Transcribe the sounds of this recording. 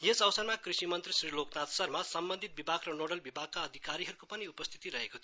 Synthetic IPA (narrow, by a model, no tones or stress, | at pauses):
jesʌwsʌrmakrisimʌnt̪risriloknat̪sʌrmasʌmbʌnd̪ʱit̪̚bibʱaɡrʌnoɽʌlbibʱaɡ̚kaʌd̪ʱikaɾiɦʌɾukopʌniupʌst̪ʰi̥t̪iɾʌɦekot̪ʰio